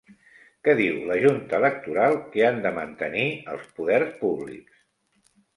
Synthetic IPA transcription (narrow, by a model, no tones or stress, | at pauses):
kɛðiwləʒunt̪əːlək̚t̪uɾalˠkeand̪əmənt̪əniə̰lˠspuðɛrspuβlḭks